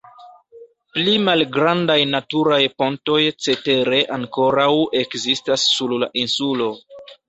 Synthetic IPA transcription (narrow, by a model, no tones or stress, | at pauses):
plimalɡɾandajnatuɾajpo̞nto̞jt͡se̞te̞ɾe̞ʔaŋko̞ɾawe̞kzistasːulla̰ʔinsulo̞